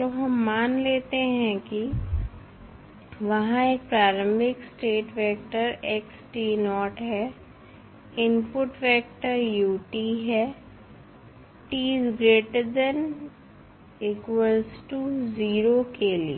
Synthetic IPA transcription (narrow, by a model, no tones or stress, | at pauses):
oɦɐmːaːnleːt̪eɦɛ̃ki | ʋɐɦãeːk̚pɾaːɾə̃mbʱɪksʈeːʈʋɛːkʈəɾeksʈiːnɔːʈɦɛ | ɪmpʊʈfʋɛːk̚ʈəɾjuːʈiɦɛː | ʈiːzɡɾeːʈəɾd̪ɛn | ɪkwəlsʈuziːɾokelie